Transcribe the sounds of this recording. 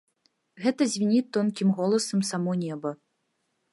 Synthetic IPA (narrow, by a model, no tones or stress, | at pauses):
ɣɛt̪ɐzʲvʲinʲit̪ːɔnkʲimɣɔlˠɐsɐmsamɔnʲɛbɐ